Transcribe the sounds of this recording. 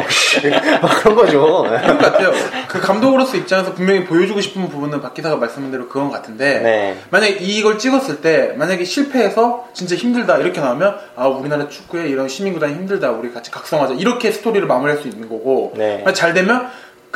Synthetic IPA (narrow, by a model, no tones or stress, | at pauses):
akɯɾʌnɡʌd͡ʑoɯɡŋɡʌk͈atʰe̞jokɯkamdoɡɯɾʌs͈uip̚t͡ɕ͈anʌnsʰʌpuŋmjʌŋipojʌd͡ʑuɡoɕʰi̥pʰɯnpubunɯnpak͈isʰaɡamaɭs͈ɯmɦɯndeɾokɯɡʌnɡʌkatʰɯnde̞nmaɲaɡeiɡʌɭt͡ɕ͈iɡʌs͈ɯɭt͈e̞maɲaɡe̞ɕʰiɭpʰe̞ːsʰʌt͡ɕint͡ɕ͈eçimdɯɭdaiɾʌkʰe̞naumjʌn | auɾinaɾat͡ɕʰu̥k͈ue̞iɾʌnɕʰimiŋɡudaŋiçimdɯɭdauɾiakat͡ɕʰi̥kak̚s͈ʌŋɦad͡ʑaiɾʌkʰe̞sʰɯ̥tʰoɾiɾɯɭmamɯɭɦaɭs͈uinːɯnɡʌɡoat͡ɕaɭdwe̞mjʌn | k